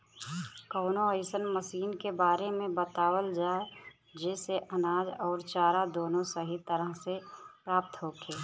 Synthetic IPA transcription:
kəʊnoəɪsənməsiːnkebaːɾemẽbət̪aːwəld͡ʒaːe | d͡ʒɛːseʔənaːd͡ʒɔːɾt͡ʃaːɾad̪oːnõsəɦit̪əɾəɦsepɾaːp̚t̪ɦokʰeː

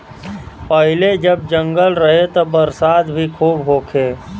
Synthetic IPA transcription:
pəɦɪled͡ʒəb̚d͡ʒə̃ŋɡəlɾəɦet̪obəɾsaːd̪bʱikʰuːbɦoːkʰeː

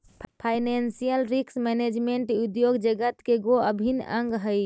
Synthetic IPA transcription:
pʰaɪnensijəlɾiksmɛned͡ʒmeɳʈud̪joɡd͡ʒəɡət̪keɡoəbʱinə̃ŋɡɦəj

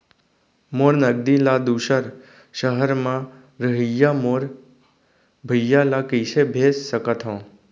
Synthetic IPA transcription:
moːɾnəɡ̚d̪ilad̪uːʃəɾ | ʃəɦəɾmã | ɾəɦijamoːɾ | bʱəjːalakisebʱeːsːəkət̪ɦõː

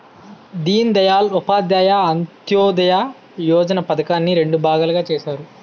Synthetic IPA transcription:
d̪iːnd̪ɐjaːlupaːd̪jaːjaɐnt̪jɔːd̪ɐja | jɔːd͡ʒɐnɐpɐd̪ɐkaːnːiɾe̞ɳɖubʱaːɡaːlɐɡaːt͡ʃeːʃaːɾu

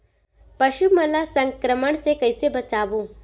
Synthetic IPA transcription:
pɐʃumɐlasɐ̃ŋkɾəməɽ̃sekɐɪsebɐt͡ʃaːbũː

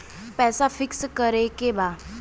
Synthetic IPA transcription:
pɛːsafʰɪkskəɾekebaː

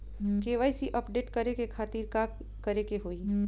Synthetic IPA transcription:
keːʋaːisiʔɐpɖeːʈkɐɾekekʰaːt̪iːɾkaːk | kɐɾekeɦoːi

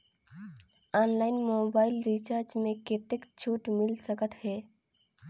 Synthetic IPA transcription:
ɔːnlaːɪnmoːbaːɪlɾit͡ʃaɾd͡ʒmẽket̪ekt͡ʃʰuːʈmɪlsəkət̪ɦɛː

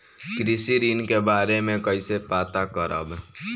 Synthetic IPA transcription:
kɾɪsiɾiːnkebaːɾemẽkəɪsepaːt̪akəɾʔə̰b

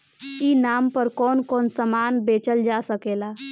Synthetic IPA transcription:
inampəɾkɔnkɔnsəmanbet͡ʃəld͡ʒasəkela

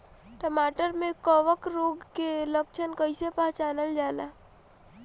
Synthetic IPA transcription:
ʈəmaːʈəɾmẽkəʋəkɾoɡkelək̚t͡ʃʰənkəɪsepəɦt͡ʃaːnəld͡ʒaːla

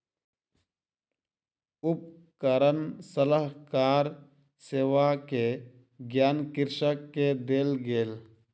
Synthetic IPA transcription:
ʊp̚ | kəɾənsələɦkaːɾ | seːʋake | ɡjaːnkɪɾʃəkːed̪eːlɡeːl

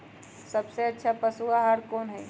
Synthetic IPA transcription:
sɐbseɐtːʃʰapəsuaɦaɾkoːnɦɛ

